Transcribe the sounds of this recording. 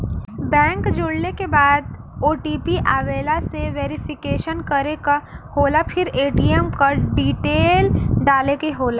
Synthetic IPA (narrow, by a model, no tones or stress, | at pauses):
bɛ̃ːŋkd͡ʒʊɽnekebaːd̪ | oːʈiːpiʔaːʋeːlaseʋeːɾɪfʰɪkeːʃənkɐɾekahoːlapʰɪɾeːʈiːɛmkɐɖiːʈeːlɖaːlekeɦoːlaː